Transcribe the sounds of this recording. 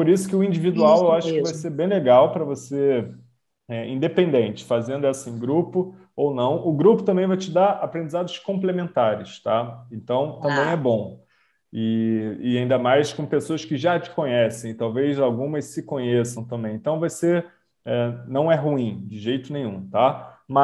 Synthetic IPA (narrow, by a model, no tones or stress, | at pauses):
poɾisʊ̥kɪʊĩd͡ʒivid̪uawewaʃʊkɪvajseɾbẽj̃leɡawpɾɐvose | ɛĩd̪epẽnd̪ẽnt͡ʃɪ̥fazẽnd̪ʊɛsɐẽj̃ɡɾupʊ | ownɐ̃w̃ʊɡɾupʊt̪ɐ̃bẽj̃vajt͡ʃɪd̪aɾapɾẽnd͡ʒizad̪ʊʃkõmplemẽnt̪aɾɪʃt̪aẽnt̪ɐ̃w̃t̪ɐ̃bẽj̃ɛbõ | ɪɪaĩnd̪ɐmajskõpesoɐskɪʒat͡ʃɪ̥kõɲɛsẽj̃ɪt̪awvejzawɡũmɐssɪkõɲesɐ̃w̃t̪ɐ̃mbẽj̃ẽt̪ɐ̃w̃vajse | ɛnɐ̃w̃ɛɦuĩd͡ʒɪʒejt̪ʊnẽj̃ṵ̃t̪amɐ